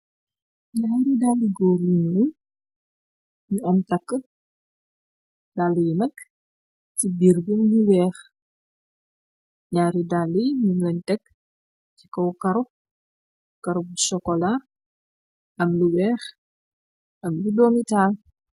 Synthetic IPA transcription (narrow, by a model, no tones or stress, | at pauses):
ɲaːɾidalːiɡɔːɾinu | ɲuɔmtɐkːə | d̥alijmɐk | cibirɡumluwɛːx | ɲaːɾidalːiɲumlɐntɛkː | ci̥kɔwkɐɾu | kɐɾub̚sɔkɔlar | ʔɐmluwɛːx | ʔɐmludɔmitaːl